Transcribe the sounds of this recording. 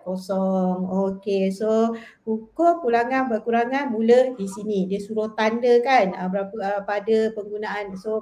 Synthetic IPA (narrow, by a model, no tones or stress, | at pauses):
kosɔŋokesokukokulaŋanbəkuɾaŋanmulədisinidiəsuɾoht̪andəkanəbəɾapəpadəpəŋɡunaʔanso